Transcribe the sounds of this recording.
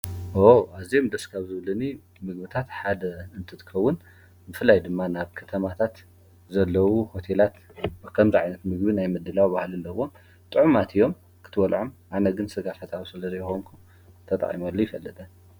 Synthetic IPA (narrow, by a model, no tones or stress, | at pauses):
woazijomd̪ɐskʰaβzɨβɨlɐni | mɨɡbɨt̪ʰat̪ħad̪ɐɨnt̪ʰɨt̪ʰɨ̥kʰɐwːʊn | bɨfɨlːajd̪ɨmːanaβkʰɐt̪ʰɐmat̪ʰat̪ | zɐlːɐwuho̞t̪ʰe̞lat̪bkʰɐmziʕajnɐt̪mɨɡbinajmɨd̪ːɨlawbahlɨlːɐɨwom | t̪ʼɨʕumat̪ʰijo̞m | kʰɨ̥t̪ʰɨwɐlʕomʔanɐɡɨnsɨɡafat̪ʰawsɨlɐzɐjɛxomkʰum | t̪ʰɐt̪ʼɐ̰χʼḭmolːojɪfɐlːɨt̪ʼɐ